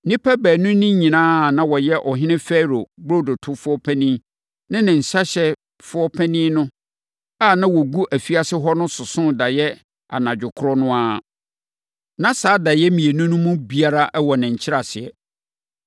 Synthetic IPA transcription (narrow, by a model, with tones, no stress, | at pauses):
nĩ˦pʰæ˦bæː˨nʊ̃˦nĩ˦ɲĩ˨nãː˦˨nã˦wɔ˨jɛ˦ʔɔ˨ɦɪ̃˦nɪ̃˦fɛ˦ɾo˨bɾo˦˨do˨tʰʊ˦fʊ˦ɔ˦pʰæ̃˦nĩ˦ | nã˦nɪ̃˨n̩˨sa˦ɕɛ˦ | fʊ˦ɔ˦pʰæ˦nĩ˦nʊ̃˦ | a˦˨nã˦wɔ˨ɡu˦ʔæ˨fi˦a˨sɪ˦ɦɔ˦nʊ̃˦sʊ˨sʊ̃˦da˨jɛ˦ | a̰˨nã˨d͡ʑᶣʊ˨kʰʊ˦ɾɔ˦nʊ̃˦a˦ | nã˦saː˨˦da˨jɛ˦mĩ˨e˨nũ˦nʊ̃˦mũ˦bi˦a˦ɾa˦ʔɛ˦wɔ˨nɪ̃˨ɲ̩˨t͡ɕʰɪ˦ɾa˨sɪ˨ɛ˨